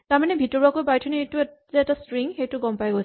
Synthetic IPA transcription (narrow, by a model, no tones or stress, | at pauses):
taɹmanɛbʱitɔɹbakojbajtʰɔnejtʊzɛɛtastɹiŋxejtʊɡɔmpajɡojsɛ